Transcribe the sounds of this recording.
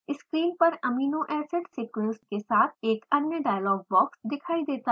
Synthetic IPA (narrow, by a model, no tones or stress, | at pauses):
ɪskɾiːlpɐɾɐmiːnoʔɛːseʈsiːkɾɪsʈ̚kesaːt̪ʰeːkɐnnjəɖaːɪlɔːɡ̚bɔːksd̪ɪkʰaːid̪eːt̪a